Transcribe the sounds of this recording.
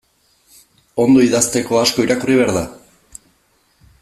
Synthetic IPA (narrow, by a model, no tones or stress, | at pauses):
o̞nd̪o̞iðast̪e̞ko̞asko̞iɾakuriβeaɾða